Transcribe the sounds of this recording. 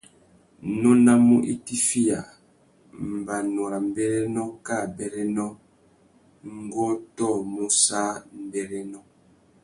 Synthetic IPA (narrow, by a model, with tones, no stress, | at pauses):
nɔ˦na˦mu˦ʔi˦ti˦fi˦ja˨ | m̩˨ba˨nɔ˨ɾa˨m̩˨bɛ˦ɾɛ˦nɔ˦ka˦˨bɛ˨ɾɛ˦nɔ˦ | ŋ̩˦ɡɔ˦tɔ˦˨mu˦sa˦m̩˨bɛ˨ɾɛ˦nɔ˦